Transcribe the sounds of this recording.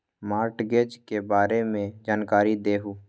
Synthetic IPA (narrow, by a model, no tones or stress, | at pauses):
maːɾʈɡeːd͡ʒkebaːɾemẽd͡ʒaːnkaːɾid̪eːɦuː